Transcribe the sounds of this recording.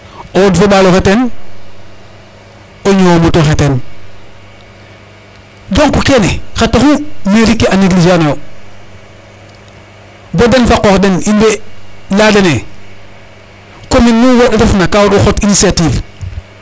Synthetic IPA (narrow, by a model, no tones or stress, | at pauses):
owodfoɓaloxeten | oɲowomutoxeten | d͡ʒoŋkukenexatoxumeɾikːeaneɡlid͡ʒiano | bodenfakoxdeninbeladene | kominmuwodaɾafnakawoɾoxotinisiativ